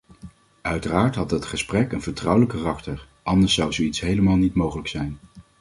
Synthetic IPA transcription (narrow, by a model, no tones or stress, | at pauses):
œɥtəraːɹtɦɑt̚dɑtχəsprɛkənvəɹtrɑwələkːarɑktəɹ | ʔɑndəɹsɑwzowitsɦejləmaːlˠnitmowχələksɛjn